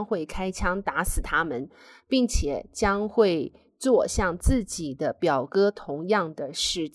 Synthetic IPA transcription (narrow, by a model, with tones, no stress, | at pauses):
ŋxwe˥˩ɪkʰa˥ɪt͡ɕʰjɑ˥ŋt̪a˧˥sɹ̩˨˩t̪ʰa˥mə˨n | pi˥˩ŋt͡ɕʰjɛ˨˩t͡ɕjɑ˥ŋxwe˥˧ɪ | t͡swɔ˥˧ɕjɑ˥˧ŋt͡sɹ̩˥˩t͡ɕi˨˩d̪ə˦pjɑ˨˩ʊkɤ˥t̪ʰʊ˧˥ŋjɑ˥˩ŋd̪ə˩ʂɻ̩˥˩t͡ɕ